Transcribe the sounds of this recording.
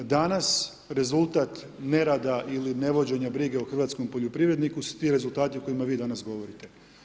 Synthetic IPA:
d̪anas | ɾe̞zulˠt̪at̪ | ne̞ɾad̪aʔiline̞ʋo̞d͡ʑe̞ɲabɾiːɡe̞oxr̩ʋat̪sko̞mpoʎopɾiʋɾe̞d̪nikusu̥t̪iɾe̞zulˠt̪aːt̪ioko̞imaʋiːd̪anasɡo̞ʋo̞ɾit̪e̞

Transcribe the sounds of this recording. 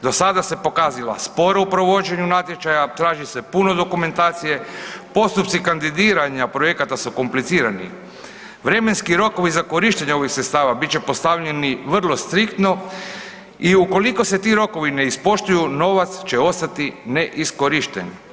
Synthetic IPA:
d̪o̞sad̪ase̞po̞kaːzila̰spo̞ɾaupɾo̞ʋo̞d͡ʒe̞ɲunat̪je̞t͡ʃajat̪ɾaːʒise̞puno̞d̪o̞kume̞nt̪aːt̪sije̞po̞st̪upt̪sikand̪id̪iːɾaɲapɾo̞je̞kat̪asuko̞mplit̪siːɾanḭ | ʋɾe̞me̞nskiɾo̞ko̞ʋizako̞ɾiːʃt̪eɲeo̞ʋixsɾet̪st̪aːʋabit̪t͡ʃe̞po̞st̪aʋʎe̞niʋr̩lˠo̞st̪ɾikt̪no̞ | iuko̞liko̞se̞t̪iːɾo̞ko̞ʋine̞ispo̞ʃt̪ujuno̞ʋat̪st͡ɕe̞o̞st̪at̪ine̞ʔisko̞ɾiʃt̪ḛni

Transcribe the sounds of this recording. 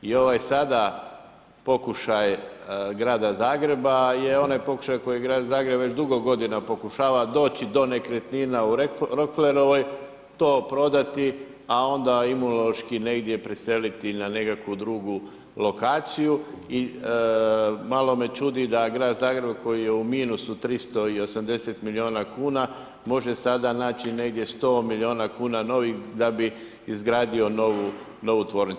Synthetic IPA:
io̞ʋajsad̪a | po̞kuʃajɡɾaːd̪azaːɡɾe̞bajeo̞najpo̞ku̥ʃajko̞jijɡɾaːd̪zaːɡɾebʋe̞t͡ʃd̪uɡo̞ɡo̞d̪inapo̞kuʃaːʋad̪o̞ːt͡ɕid̪o̞ne̞kɾet̪ninauɾokfleɾoʋoj | t̪o̞ːpɾo̞d̪at̪i | ao̞nd̪aimunoloʃkine̞ɡd̪je̞pɾese̞lit̪inane̞kakʋud̪ɾuːɡu | lo̞kaːt̪sijui | malo̞me̞t͡ʃuːd̪id̪aɡɾaːd̪zaːɡɾe̞bko̞jijeumiːnusut̪ɾist̪o̞io̞samd̪e̞set̪milio̞nakuːna | mo̞ʒe̞sad̪anaːt͡ʃine̞ɡd̪je̞st̪o̞ːmilio̞ːnakuːnano̞ʋixd̪abiː | zɡɾaːd̪io̞noʋu | no̞ʋut̪ʋo̞ːɾnit̪

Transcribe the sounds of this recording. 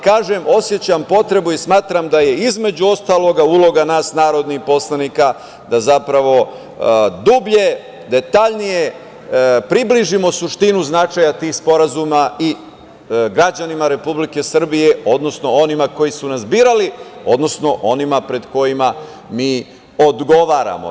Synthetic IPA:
kaːʒe̞mo̞sje̞t͡ɕampo̞t̪ɾe̞buismaːt̪ɾamd̪aje̞izme̞d͡ʑuo̞st̪aːlo̞ɡaulo̞ɡanaːsnaːɾo̞d̪nixpo̞slˠanika | d̪azapɾaʋo̞ | d̪ubʎe̞ | d̪e̞t̪aʎnije | pɾibliʒimo̞suʃt̪inuznat͡ʃaːjat̪iːxspo̞ɾazumai | ɡɾad͡ʑanimaɾe̞publike̞sr̩bije̞o̞d̪no̞sno̞o̞nimako̞jisunazbiːɾalio̞d̪no̞sno̞ʔo̞nimapɾe̞d̪ko̞jima | miː | o̞d̪ɡo̞ʋaːɾa̰mo̰

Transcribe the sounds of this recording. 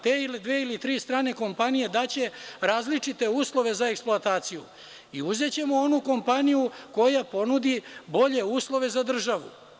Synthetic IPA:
t̪eːilid̪ʋeilit̪ɾiːst̪ɾaːne̞ko̞mpanijed̪at͡ɕe̞ɾaːzlit͡ʂit̪e̞uːslˠo̞ʋe̞zaeksploat̪aːt̪sijṵ | iuze̞t͡ɕe̞mo̞o̞nuko̞mpanijuko̞japo̞nud̪ibo̞ʎe̞uːslˠo̞ʋe̞zad̪r̩ʒaʋṵ

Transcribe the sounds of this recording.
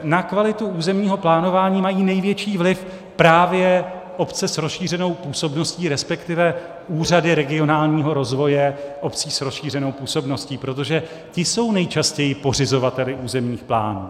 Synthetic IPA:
nakvalɪt̪uuːzɛmɲiːɦo̞plaːno̞vaːɲiːmajiːnɛjvjɛt͡ʃiːvlɪf | pɾaːvjɛ | ʔo̞pt͡sɛsɾosʃiːr̝ɛno̞wpuːso̞bno̞sciːɾɛspɛkt̪ɪvɛ | uːr̝adɪɾɛɡɪo̞naːlɲiːɦo̞ɾo̞zvo̞jɛʔo̞pt͡siːsɾo̞sʃiːr̝ɛno̞wpuːso̞bno̞sciːpɾo̞t̪̬o̞ʒɛ | cɪso̞wnɛjt͡ʃascɛjɪpo̞r̝ɪzo̞vat̪ɛlɪʔuːzɛmɲiːxpla̰ːnṵː

